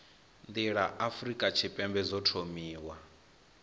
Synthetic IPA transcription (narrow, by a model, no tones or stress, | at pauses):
nd̪iɺaʔafɾikʼat͡ʃʰipʼɛmbɛzɔtʰomiːwa